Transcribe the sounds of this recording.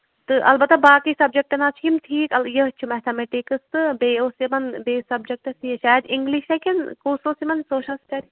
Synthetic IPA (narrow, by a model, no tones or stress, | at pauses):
t̪ɨʔɐ̰lbɐt̪ːɐbaːkisɐb̚d͡ʒek̚ʈɐnat͡ʃʰimʈʰiːkɐljəɦt͡ʃʰumɛt̪ʰɐmeʈikɨst̪ɨbeːosimɐnbeːsɐbd͡ʒek̚ʈɐsiɐʃaːjəd̪ɪŋɡliʃekʲɐnkoːsosimɐnsoːʃʰɐnskɐɾi